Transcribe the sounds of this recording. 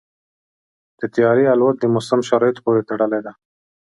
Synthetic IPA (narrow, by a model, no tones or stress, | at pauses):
d̪̥ət̪ijɑɾialwat̪̚d̪əmʊsɪmʃaɾɑjt̪o̥poɾet̪aɽəled̪a